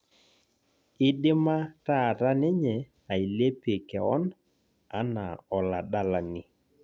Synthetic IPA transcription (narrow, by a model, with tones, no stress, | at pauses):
ɪ˦ɗɪ˦ma˦ta˦˨ɾa˦nɛ˦ɲɛ˨ | a˨i˨le˦pe˨kɛ˨ɔ˦n | a˦na̰˨ɔ˨la˨ɗa˦la˨nɪ˨